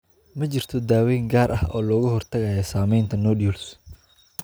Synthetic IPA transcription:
mɐt͡ʃɪrt̪ʰɔd̪aːwɛjŋɡaːɾʔɐhʔɔːlɔːɣʊɦɔrt̪ʰɐɣajɔsaːmɛjnt̪ʰɐnɔːɖiuːls

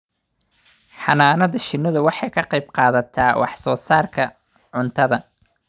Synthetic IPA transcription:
ħɑnaːnɐðɐʃɪnːɐðʊwɑħɑjkʰɐqɑjbqɑːðɐt̪ʰaːwʔɑ̰ħsɔːsaːrkʰɐ | ʕʊnt̪ʰɐðɐ

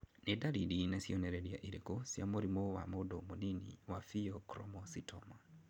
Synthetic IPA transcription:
nedaɾidinasiɔnɛɾɛɾia̰ʔiɾekosjamoɾimowa̰modomoninḭwafiɔkɾɔmɔsitʰɔma

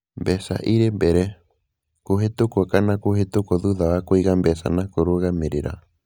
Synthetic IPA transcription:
mbesa̰ʔiɾembeɾe | koɦet̪okokanãkohet̪okoðuðaβakojɣambesa̰nãkoɾoɣameɾeɾa̰

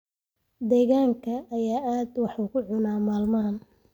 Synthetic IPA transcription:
d̪ɛːɣaːŋkʰɐːjaːʔaːd̪wɑħuːkʰʊʕʊnaːmaːlmɐɦɐn

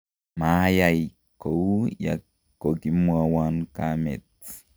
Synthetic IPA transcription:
majaj | koja̰ | kokimuawankamet͡s

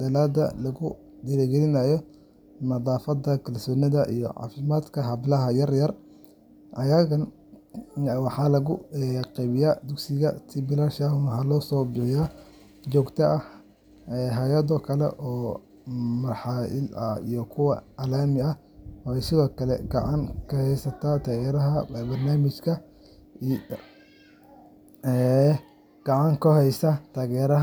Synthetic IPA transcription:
d̪̥ɐlaːd̪ɐ̰lɐɣʊ | d̪ɪɾɛːɡɛlɪnajɔ | nɐðˤɑːfɐd̪ɐkʰɐlsɔːnɪðɐʔḭjɔ̰ʕɑ̰ːfɪmaːd̪kʰɐɦɐβɪlɐɦɐjɐrjɐr | ʔɐjɐɣɐn | wɑħɑlɐɣʊɛqɛjβɪjaːd̪ʊɡsɪɣɐt̪ʰɪbɪlɐʃaʊnhɐlɔːsɔːbɪħɪjaː | t͡ʃɔːɡt̪ʰɐɐ | ɛːɦajɐd̪ɔkʰɐlɛ̰ʔɔː | mɐrħɑɪ̰lɐ̰ḭjɔkʰʊwɐ̰ɐlaːmɪɐ | wɛjsɪðɔːkʰɐlɛ̰ɡ̥ɑʕɑ̰ŋkʰɐhɛjsɐt̪ʰat̪ʰaːɣɛːɾɐɦɐbbɐrnaːmɪt͡ʃkʰɐ | ɛ | ɡ̥ɑʕɑŋkʰʊhɛjsat̪ʰaːɣɛːɾɐ

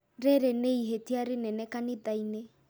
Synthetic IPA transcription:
ɾeɾeneiɦetiaɾenɛnɛkaniðaine

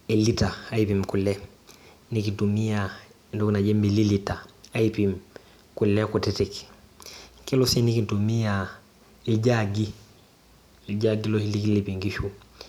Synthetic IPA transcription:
elitaaipimkulɛ | nikitumija | nduknaɟemililitaaipim | kulɛkutɛtɛk | kilosinikintumia | ilɟaɡi | lɟaɡilohilikilipiŋɡiʃu

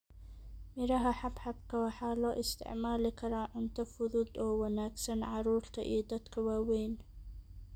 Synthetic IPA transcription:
mɪɾɐɦɐħɑbħɑbkʰɐwɑħɑːlɔːʔɪst̪ʰɪ̰ʕmaːlɪkʰɐɾaːʕʊnt̪ʰɐfʊðuːd̪ɔːwɑnaːɡsɐnʕɑɾuːɾt̪ʰɐ̰ʔḭjɞd̪ɐd̪kʰɐwaːwɛjn

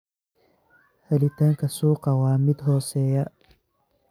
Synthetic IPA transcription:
hɛlɪt̪ʰaːŋkʰɐsuːqɐwaːmɪd̪ɦɔːsɛːjɐ

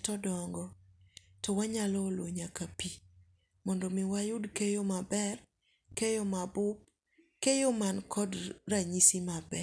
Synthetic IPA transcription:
tɔdɔŋɡɔ | tɔwaɲalɔːlwoɲakapi | mɔndɔmɪwajʊdkejomabɛr | kejɔmabʊp̚ | kejomankɔdraɲisimabɛ

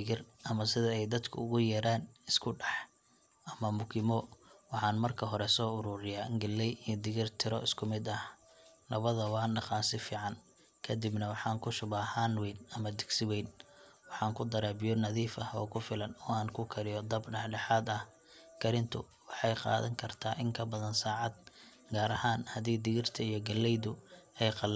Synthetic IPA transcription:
ɣɪrɐmɐsɪðɐɛjd̪ɐd̪kʰʊʊɣʊjɐɾaːnɪskʰʊɖɑħ | ʔɐmɐmʊkʰɪmɔwɑħɑːnmɐrkʰɐɦɔɾɛsɔːʊɾʊːɾɪjaːŋɡɛlːɛjɪd̪ɪɣɪrt̪ʰɪɾɔ̰ʔɪskʰʊmɪd̪ɐh | lɐβɐðɐwɑːnːɑqɑːsɪfiːʕɑn | kʰɐd̪ɪbnɐwɑħɑːŋkʰʊʃʊβaːhanwɛnɐmɐd̪ɪɡsɪwɛjnwɑħɑːŋkʰʊd̪ɐɾaːbɪjɔnɐðiːfɐhɔ̰ːkʰʊfɪlɐnɔːaːnkʰʊkʰɐɾɪjɔd̪ɐbɖɐħɖɑħɑːd̪ɐh | kʰɐɾɪnt̪ʰʊ̰ | wɑħɑjqɑ̰ːðɐ̰ŋkʰɐrt̪ʰaːʔɪŋkʰɐbɐðɐnsaːʕɑd̪̚ | ɡaːɾɐhaːnhɐðiːd̪ɪɣɪrt̪ʰɐijɔɡɐlːɛjðʊɛjqɑl

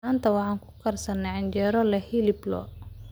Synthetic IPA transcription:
aːnt̪ʰɐwɑħɑːŋkʰʊ̥kʰɐrsɐnːɛʕɪɲd͡ʒɛːɾɔlɛhilɪblɔ̰

